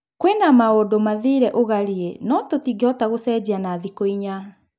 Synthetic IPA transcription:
kwenamaodomaðiɾɛʔoɣaɾienɔtotiɡeɔtaɣosɛːd͡ʑianaːðikoiɲa

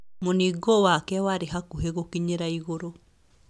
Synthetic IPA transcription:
moniɡowakɛwaɾeɦakuɦeɣokiɲeɾaiɣoɾo

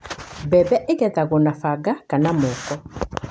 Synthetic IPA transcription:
bɛbɛʔeɣɛðaɣonafaɡakanamokɔ

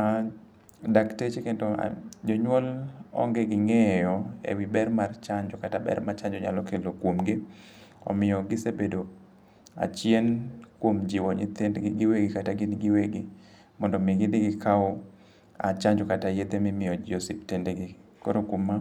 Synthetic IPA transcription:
a | daktet͡ʃekendɔ̰d͡ʒɔɲwɔlɔ̰ŋɡeɡɪŋejɔḛwibɛɾmart͡ʃaɲd͡ʒɔkatabɛ̰ɾmat͡ʃaɲd͡ʒɔɲa̰lɔkelokwomɡɪ | ɔ̰mɪjɔɡɪsebedo | a̰t͡ʃjenkwomd͡ʒiwɔɲɪ̰t̪endɡɪɡɪweɡɪkataɡɪnɡɪweɡɪ | mɔndɔmiɡɪdɪɡɪkʰaɔ | a̰t͡ʃaɲd͡ʒɔkatajed̪emɪmɪjɔd͡ʒosiptendeɡɪko̰ɾokwomːa

